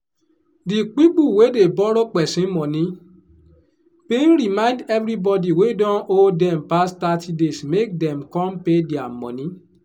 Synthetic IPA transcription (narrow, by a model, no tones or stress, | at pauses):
dik͡pik͡puwedebɔɾɔk͡pɛsĩmɔ̃nĩ | bẽn̩ɾimãndɛvɾibɔdiwedɔ̃odɛ̃mpastatidesmek̚dɛ̃mkɔ̃mpediamɔ̰̃nĩ